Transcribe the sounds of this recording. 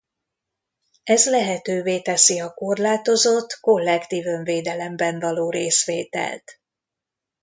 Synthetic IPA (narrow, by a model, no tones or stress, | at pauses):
ɛzlɛɦɛt̪øːveːt̪ɛsiɒko̞rlaːt̪o̞zot̪ːko̞lːɛkt̪iːvøɱveːd̪ɛlɛmbɛɱvɒloːɾeːsʋeːt̪ɛ̰lt̪